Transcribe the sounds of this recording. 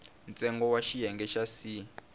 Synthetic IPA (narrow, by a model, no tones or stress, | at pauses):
nt͡sʼɛŋɡɔwaʃijɛŋɡɛʃasi